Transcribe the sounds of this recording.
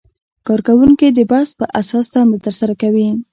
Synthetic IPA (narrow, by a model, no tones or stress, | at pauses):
kɑɾkawuŋkid̪əbaspəʔasɑsd̪ɑnd̪et̪əɾsaɾakawi